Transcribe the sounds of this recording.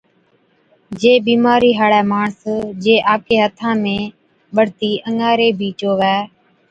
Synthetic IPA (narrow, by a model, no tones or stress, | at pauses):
d͡ʒeːɓiːmaːɾiːɦaːɽɛːmaːɳsd͡ʒeːʔaːp̚kʰeːɦət̪ʰãːmẽː | ɓəɽt̪iːʔəŋaːɾeːbʱiːt͡ʃoːʋɛː